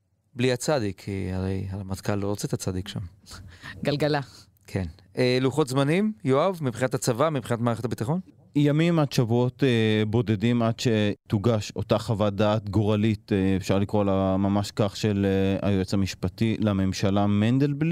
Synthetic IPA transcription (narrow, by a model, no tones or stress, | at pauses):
bliat͡sadikʰha̰ʁejhalamatkʰalːoʁot͡set̪at͡sad̪ikʃa̰m | ɡalɡala | kʰen | eluχo̞t̪zmanimjoavmibχinatat͡savamibχinatmaːʁeχetabit̪aχo̞n | jamimadʃavuo̞tebo̞de̞dimad̪ʃetuɡaʃo̞̰taχavadaːt̪ɡoʁalitefʃaʁlikʁolamamaʃkaχʃelea̰joet͡samiʃpatilame̞mʃalamend̪elbli